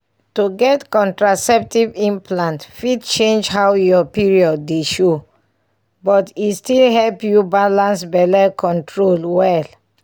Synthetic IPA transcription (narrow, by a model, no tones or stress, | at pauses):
tuɡɛtkɔ̃ntɹasɛp̚tivĩmplãntfid̚t͡ʃẽnd͡ʒhawjɔpiɹiɔdːeʃo | bɔtistilɦɛlpjubalãnsbɛlɛkʰɔ̃ntʰɹolwɛl